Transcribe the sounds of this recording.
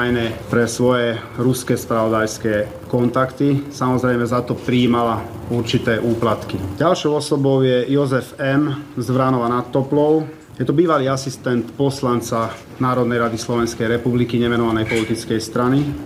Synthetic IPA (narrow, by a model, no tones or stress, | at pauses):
jnɛpɾɛsʋɔjɛ | ɾuskɛspɾaʋɔd̪ajskɛː | kɔnt̪akt̪isamɔzɾɛjmɛzat̪ɔpɾiːmala | uɾt͡ʃit̪ɛːʔuːplat̪kiɟalʃɔʊɔsɔbɔʊjɛjɔzɛfɛmzʋɾanɔʋanat̪ːɔplɔʊ | jɛt̪ɔbiːʋaliːasist̪ɛnt̪pɔslant͡sa | naːɾɔd̪nɛjɾad̪islɔʋɛnskɛjɾɛpublikiɲɛmɛnɔʋanɛjpɔlit̪it͡skɛjst̪ɾani